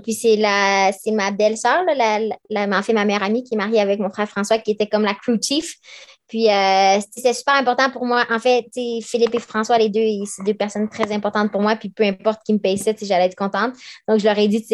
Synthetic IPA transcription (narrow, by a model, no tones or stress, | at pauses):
pɥisɛlasɛmad̪ɛlsœːʁlalallamãfɛmamɛjœʁamikʲiɛmaʁjeavɛk̚mɔ̃fχɛːʁfχɑ̃swakʲiet̪ɛkɔmlakχut͡ʃif | pɥiøsseset̪ɛsy̥pɛʁɛ̃pɔʁt̪ɑ̃puʁmwaʔɑ̃fɛt͡sefilipefχɑ̃swaled̪øesed̪øːpɛʁsɔnt̪χɛzɛ̃pɔʁt̪ɑ̃t̪̚puʁmwapɥipøɛ̃pɔʁt̪̚kʲiməpɛjsɛt͡seʒalɛɛːt̪kɔ̃t̪ɑ̃t̪d̪ɔ̃kʒəlœʁɛd̪it͡se